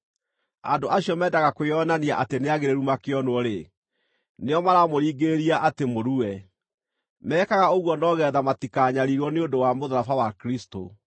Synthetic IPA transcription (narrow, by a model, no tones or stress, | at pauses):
andoʔaɕiɔmɛːdaɣakojɔnaniaʔateneaɣeɾeɾumakeɔnwɔɾe | neɔmaɾamoɾiːɡeeɾiaʔatemoɾuɛ | mɛːkaɣaoɣwɔnɔɣɛðamatikaːɲaɾiɣɔneondowamoðaɾafawakɾisto̰